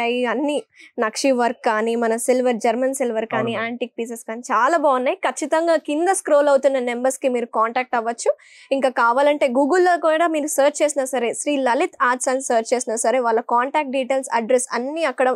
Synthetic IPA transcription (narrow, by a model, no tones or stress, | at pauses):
ɐjiɐnːinɐkʂiʋɐɾkːaːnimɐnɐsilʋɐɾd͡ʒɐɾmɐnsilʋɐɾkaːniaːɳʈiːk̚piːseskaːnit͡ʃaːlaːbaːunːaːjikɐt͡ʃːit̪ɐŋɡaːkind̪ɐskɾoːlɐwut̪unːɐne̞mbɐɾskimiːɾukaːɳʈaːk̚ʈɐʋːɐt͡ʃːu | iŋkaːkaːʋaːlɐɳʈe̞ːɡuːɡɐlːoːkuːɽaːmiːɾusɐːɾt͡ʃt͡ʃe̞ːsinaːsɐɾeːʃɾiːlɐlit̪ʰaːd͡ʒsɐnssɐːɾt͡ʃt͡ʃeːsinɐsɐɾeːʋaːlːɐkaːɳʈaːk̚ʈ̚ɖiːʈeːlsɐ̰ɖɾesɐ̰nːiɐkːɐɽɐ